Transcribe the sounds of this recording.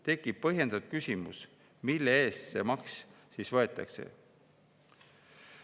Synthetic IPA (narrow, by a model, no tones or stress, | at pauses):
t̪e̞kːˑib̥pɤɦje̞nd̪ɑd̥̪̚kysʲimṵs | milːee̞ːst̪se̞̰mɑks | siːsvɤ̞e̞t̪ːˑɑ̰kse̞̰